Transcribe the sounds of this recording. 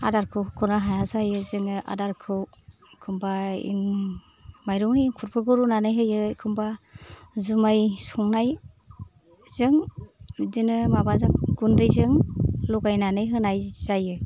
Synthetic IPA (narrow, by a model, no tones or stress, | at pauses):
a̰daɾkʰɯwkʰɔnaɦajazajɯzɯŋɯʔa̰daɾkʰɯw | kʰɯmbaḭŋ | majɾɔwnikʰuɾpʰɯɾɡɯɾunanɯjɦɯjɯkʰɯmba | zumajsɔŋnaj | z̥ɯŋ | dinɯmabazɯŋɡundɯjzɯŋlɔɡajnanɯjɦɯnajz̥ajɯ